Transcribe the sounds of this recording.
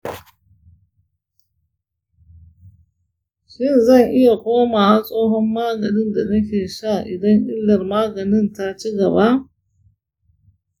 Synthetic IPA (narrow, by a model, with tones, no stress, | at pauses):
ʃɪ˦˨nzɐ˦˨ŋʔɪ˦ja˨kʷoː˦maː˨ha˦sʼoː˦ɦɔ˦mːaː˦ɡɐ˨nɪ˦nda˨nɐ˦kʲeː˨ʃa˦˨ʔɪ˨dɐ˦ŋʔɪ˦lːɐ˨rmaː˦ɡɐ˨nɪ˦nta˦t͡ʃi˦ɡɐ˨ba˦ʔ